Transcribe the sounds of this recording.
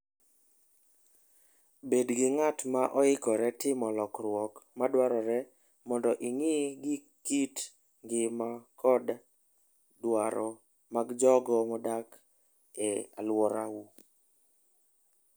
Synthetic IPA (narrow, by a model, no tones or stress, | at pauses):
bedɡɪŋatmaʔɔɪkɔɾɛtɪmɔlɔkɾwɔkmadwaɾɔɾɛ | mɔndɔʔiŋɪɡɪ | kit | ŋɡɪmakʰɔd | dwaɾɔ | maɡd͡ʒɔɡɔmɔdak | ɛa̰lwɔɾawu